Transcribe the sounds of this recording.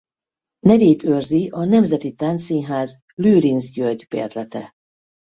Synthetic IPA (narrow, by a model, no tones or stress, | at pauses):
nɛveːt̪ørziʔɒnɛmzɛt̪it̪aːnt̪siːnɦaːz | lyːɾinzɟørɟ̪ʲpḛːrt̪lɛt̪ɛ